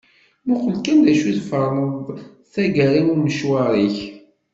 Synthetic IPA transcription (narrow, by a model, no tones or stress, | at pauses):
muqəlkænd̪æʃuðfəɾˤəðˤ | θæɡæɾinʊɾməʃwaɾˤiç